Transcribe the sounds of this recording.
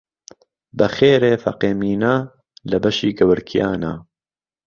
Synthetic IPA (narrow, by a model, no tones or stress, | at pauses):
bɐxeːɾeːfɐ̰qeːmiːnaː | lɐbɐʃiːɡɐwəɾkʰijaːnaː